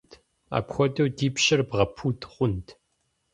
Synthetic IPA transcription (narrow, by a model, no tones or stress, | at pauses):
t | a̰ːpxʷɔdɐwdiːpɕɪrbʁɐpʰuːtʰχʷʊntʰ